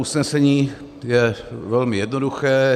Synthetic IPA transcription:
usnɛsɛɲiː | jɛvɛlmɪjɛdnoduxɛː

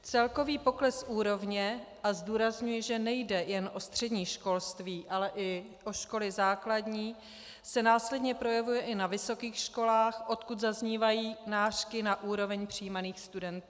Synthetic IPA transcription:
t͡sɛlko̞viːpo̞klɛsʔuːɾo̞vɲɛʔazduːɾazɲujɛʒɛnɛjdɛjɛnʔo̞st̪r̝̥ɛdɲiːʃko̞lst̪viːʔalɛʔɪ | ʔo̞ʃko̞lɪzaːkladɲiː | sɛnaːslɛdɲɛpɾo̞jɛvujɛʔɪnavɪso̞kiːxʃko̞laːxʔo̞t̪kut̪zazɲiːvajiːnaːr̥kɪnaʔuːɾo̞vɛɲpr̝̥iːmaniːxst̪udɛnt̪u

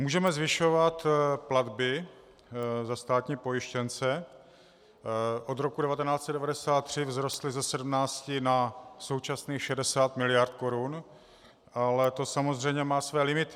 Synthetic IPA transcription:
muːʒɛmɛzvɪʃo̞vat̪plad̪bɪ | zast̪aːt̪ɲiːpo̞jɪʃcɛnt͡sɛ | ʔo̞d̪ɾo̞kudɛvat̪ɛnaːt͡sɛdɛvadɛsaːt̪ːr̝̥ɪvzɾost̪lɪzɛsɛdmnaːt͡scɪnaso̞wt͡ʃasniːxʃɛdɛsaːt̪mɪlɪjaɾt̪̚ko̞ɾun | ʔalɛt̪o̞samo̞zr̝ɛjɲɛmaːsvɛːlɪmɪt̪ɪ

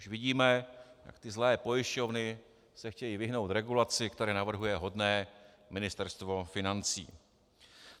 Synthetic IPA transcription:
uʃvɪɟiːmɛja̰kt̪ɪzlɛːpo̞jɪʃco̞vnɪ | sɛxcɛjiːvɪɦno̞wt̪ɾɛɡulat͡sɪkt̪ɛɾɛːnavr̩ɦujɛɦo̞dnɛː | mɪnɪst̪ɛɾst̪vo̞fɪnant͡sḭː

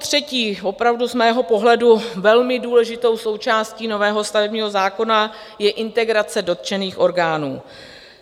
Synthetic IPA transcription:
t̪r̝̥ɛciːvo̞pɾavduzmɛːɦo̞po̞ɦlɛduvɛlmɪduːlɛʒɪt̪o̞wso̞wt͡ʃaːsciːno̞vɛːɦo̞st̪avɛbɲiːɦo̞zaːko̞na | jɛʔɪnt̪ɛɡɾat͡sɛdo̞t̪̚t͡ʃɛniːxʔo̞ɾɡaːnuː

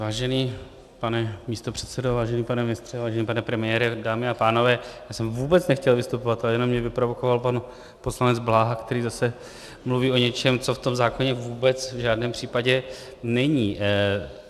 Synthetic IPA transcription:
vaːʒɛniː | panɛmiːst̪o̞pr̥ɛt̪sɛdo̞vaːʒɛniːpanɛmɪnɪst̪r̥ɛvaːʒɛniːpanɛpɾɛmɪjɛːɾɪdaːmɪapaːno̞vɛːjaːsɛmvuːbɛt͡snɛxcɛlvɪst̪upo̞vat̪ʔalɛjɛno̞mɲɛvɪpɾo̞vo̞ko̞valpan | po̞slanɛd͡zblaːɦakt̪ɛɾiːzasɛ | mluviːʔo̞ɲɛt͡ʃɛmt͡so̞ft̪o̞mzaːko̞ɲɛvuːbɛt͡svʒaːdnɛːmpr̥iːpaɟɛ | nɛɲiː

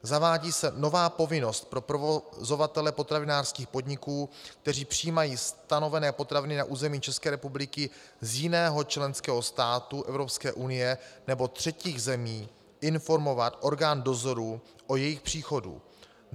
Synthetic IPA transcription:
zavaːɟiːsɛno̞vaːpo̞vɪno̞st̪̚pɾo̞pɾovozo̞vat̪ɛlɛpo̞t̪ɾavɪnaːrskiːxpo̞dɲɪkuːk̚t̪ɛr̝iːpr̝̥ɪiːmajiːst̪ano̞vɛnɛːpo̞t̪ɾavɪnɪnaʔuːzɛmiːt͡ʃɛskɛːɾɛpublɪkɪ | zjɪnɛːɦo̞t͡ʃlɛnskɛːɦo̞st̪aːt̪uʔɛvɾo̞pskɛːʔunɪjɛnɛbo̞t̪r̝̥ɛciːɣzɛmiː | ʔɪnfo̞ɾmo̞vat̪ʔo̞ɾɡaːndo̞zo̞ɾu | ʔojɛjɪxpr̝̥iːxo̞dṵ

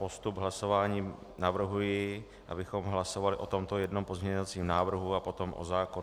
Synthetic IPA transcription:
po̞st̪ubɦlaso̞vaːɲiː | navr̩ɦujɪ | ʔa̰bɪxo̞mɦlaso̞valɪʔo̞t̪o̞mt̪ojɛdnompo̞zmɲɛɲovat͡siːmnaːvr̩ɦuapo̞t̪o̞mʔo̰zaːko

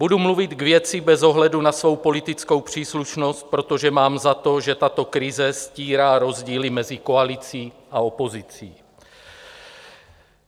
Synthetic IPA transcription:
b̥udumluvɪt̪ɡvjɛt͡sɪbɛzoɦlɛdunasvo̞wpo̞lɪt̪ɪt͡sko̞wpr̥iːsluʃnost̪̚pɾo̞t̪o̞ʒɛmaːmzat̪o̞ʒɛt̪at̪o̞kɾɪzɛsciːɾaːɾo̞zɟiːlɪmɛzɪko̞alɪt͡siː | ʔao̞po̞zɪt͡siː

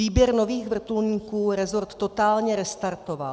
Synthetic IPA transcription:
iːbjɛɾnoviːɣvr̩t̪ulɲiːkuːɾɛzoɾt̪ːot̪aːlɲɛɾɛst̪aɾt̪ova̰l

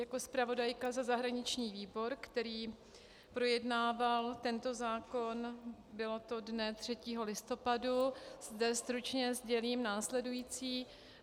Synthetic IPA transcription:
jako̞spɾavo̞dajkazazaɦɾaɲɪt͡ʃɲiːviːbo̞ɾkt̪ɛɾiː | pɾo̞jɛdnaːvalt̪ɛnt̪o̞zaːko̞nbɪlo̞t̪o̞dnɛt̪r̝̥ɛciːɦo̞lɪst̪o̞paduzdɛst̪ɾut͡ʃɲɛzɟɛliːmnaːslɛdujiːt͡siː

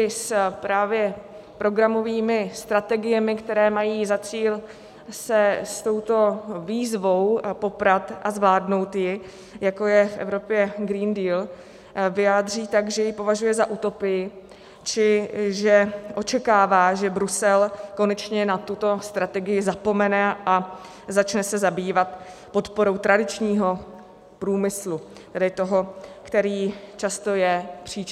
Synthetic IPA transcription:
ɪspɾaːvjɛ | pɾo̞ɡɾamo̞viːmɪst̪ɾat̪ɛɡɪjɛmɪkt̪ɛɾɛːmajiːzat͡siːl | sɛst̪o̞wt̪o̞viːzvo̞wpo̞pɾat̪ʔazvlaːdno̞wt̪jɪ | jako̞jɛfʔɛ̰vɾo̞pjɛɡɾiːndiːl | vɪjaːd̪r̝iːt̪aɡʒɛjɪpo̞vaʒujɛzaʔut̪o̞pɪjɪ | t͡ʃɪʒɛʔo̞t͡ʃɛkaːvaːʒɛbɾusɛlko̞nɛt͡ʃɲɛnat̪ut̪o̞st̪ɾat̪ɛɡɪjɪzapo̞mɛnɛʔa | zat͡ʃnɛsɛzabiːvat̪po̞t̪po̞ɾo̞wt̪ɾadɪt͡ʃɲiːɦo̞ | pɾuːmɪslu | t̪ɛdɪt̪o̞ɦo̞kt̪ɛɾiːt͡ʃast̪o̞jɛpr̝̥iː

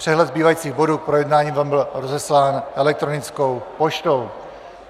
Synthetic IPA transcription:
r̥ɛɦlɛd̪zbiːvajiːt͡siːɣbo̞duːk̚pɾo̞jɛdnaːɲiːmvaːmbɪlɾozɛslaːnʔɛlɛk̚t̪ɾonɪt͡sko̞wpoʃt̪o̞w

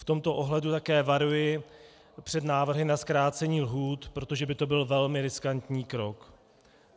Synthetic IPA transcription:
ft̪o̞mt̪o̞ʔo̞ɦlɛdut̪akɛːvaɾujɪ | pr̝̥ɛd̪naːvr̩ɦɪnaskɾaːt͡sɛɲiːlɦuːt̪pɾo̞t̪o̞ʒɛbɪt̪o̞bɪlvɛlmɪɾɪskant̪ɲiːkɾo̞k

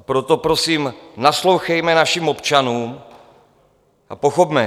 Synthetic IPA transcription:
pɾot̪o̞pɾosiːmnaslo̞wxɛjmɛnaʃimo̞pt͡ʃanuːm | ʔa̰po̞xopmɛ

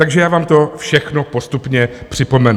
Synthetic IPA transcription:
t̪aɡʒɛjaːvaːmt̪ofʃɛxnopo̞st̪upɲɛpr̝̥ɪpo̞mɛnu

